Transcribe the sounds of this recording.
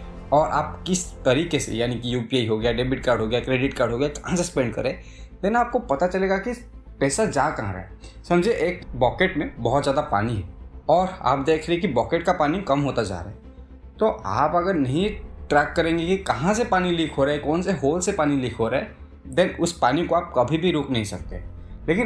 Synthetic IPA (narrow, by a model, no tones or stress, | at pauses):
ɔːɾʔaːp̚kɪst̪ɐɾiːkesḛjaːnikijuːpiaiɦoːɡɐjaɖeːbɪʈ̚kaːɾɖɦoːɡəjakɾeːɖɪʈkaːɾɖɦoːɡɐjakɐ̥ɦãsespɛ̃ːɳɖ̚kɐ̰ɾẽː | lenaːp̚kopɐt̪at͡ʃɐleːɡaki | pɛːsad͡ʒaːkɐɦãɾa̰ːɦɛ | sɐ̃md͡ʒʱieʔeːkbɔːkeʈmẽbɔɦt̪zjaːd̪apa̰ːniɦɛɔːɾa̰ːp̚d̪eːkʰɾeɦẽkibɔːkeʈkapaːnikɐmɦoːt̪ad͡ʒa̰ːɾa̰ɦɛ | t̪oʔaːpɐɡəɾnɐɦĩʈɾɛːkːɐɾẽːŋɡekikɐɦãs̬epaːnilikʰɦoːɾaːɦɛkɔːnseɦoːlsepaːnilɪkʰɦoːɾaɛ | d̪ɛ̃ːnʊspaːnikoaːp̚kɐbʱibʱiɾoːknɐɦĩsɐk̚t̪e | leːkɪn